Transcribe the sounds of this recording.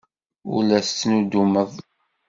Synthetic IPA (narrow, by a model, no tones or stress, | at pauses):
ṵlæst͡sːnud̪uməðˤ